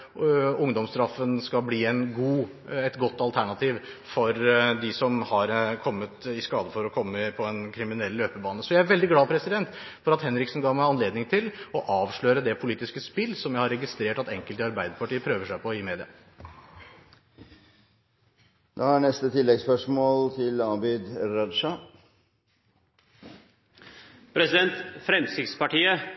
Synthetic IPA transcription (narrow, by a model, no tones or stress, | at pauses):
ʊŋd̪ɔmst̪ɾɑfːənskɑbliːɛnɡuː | ɛt̪ɡɔt̪ːɑlt̪ʰæɳɑt̪ʰiːʋ | fɔɾd̪ɪsɔmhɑɾkʰɔmːət̪ɪskɑːd̪əfɔɾɔkʰɔmːəpʰɔɛnkʰɾɪmɪnɛlːløːpəbɑːnəsɔjæɪæɾʋɛld̪ɪɡlɑːpʰɾɛsɪd̪ɛnt̪ | fɔɾɑt̪hɛnɾɪksn̩ɡɑːmæɪɑnleːd̪nɪŋt̪ʰɪlɔʔɑːʋʂɭøʏɾəd̪ɛpʰʊliːt̪ɪskəspɪlsɔmjæɪhɑɾɛɡɪst̪ɾeːʈɑt̪ɛŋkəlt̪ɪɑɾbæɪd̪əɾpɑʈiːəpʰɾøːʋəʂæɪpʰɔɪmeːd̪ɪɑ̰ | d̪ɑːænɛst̪ət̪ʰɪlːɛɡspœʂmoːlt̪ʰɪlɑːbɪd̪ɾɑd̪ʂɑ | pʰɾɛsɪd̪ɛnt̪fɾɛmsɪspɑʈiːə